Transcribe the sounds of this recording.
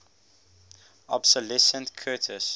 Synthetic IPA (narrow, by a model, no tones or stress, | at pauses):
ɔbsəlɛsə̃ntkʰɜːtʰəs